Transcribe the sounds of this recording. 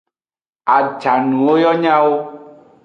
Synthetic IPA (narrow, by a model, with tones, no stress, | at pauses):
a˨d͡ʒa˨nũ˨wo˦jɔ˦ɲã˦wo˦